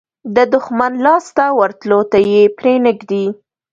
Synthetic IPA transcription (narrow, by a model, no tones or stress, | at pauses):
d̪əd̪ʊxmanlɑst̪awaɾt̪lot̪ajepɾenəɡd̪i